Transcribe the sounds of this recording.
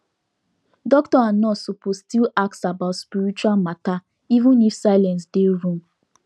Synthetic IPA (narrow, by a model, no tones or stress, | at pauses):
dɔktɔanɔsupostilak̚tsabaʊtspiɾit͡ʃualmata | ivũnifsaɪlãns̬deɾũm